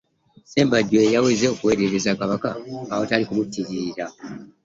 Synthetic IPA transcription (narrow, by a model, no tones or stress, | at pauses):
se̞ːmbaɟːoejaweːzeokuwe̞ːɾeɾezakaβaka̰ːwo̞talikumutːiɾiɾiɾa